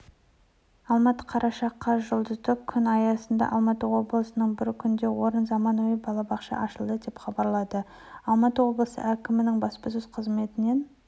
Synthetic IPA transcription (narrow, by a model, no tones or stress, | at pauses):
ɑlˠmɑt̪ə̥qʰɑɾʔɑʃɑqːɑʒʊlˠd̪əzd̪əkʲʰʏnɑjɑsənd̪ɑ̰ʔɑlˠmɑt̪əwo̞blˠəsənəɴbɪɾkʲʰʏnd̪e̞wo̞ɾənzɑmɑnujəbɑlˠɑbɑqʃɑ̰ʔɑʃəlˠd̪əd̪e̞pχɑbɑɾlˠɑd̪ə | ɑlˠmɑt̪əwo̞blˠəsə̰ʔækʲɪmɪnɪŋbɑspəzʊzqʰəzme̞t̪ɪne̞n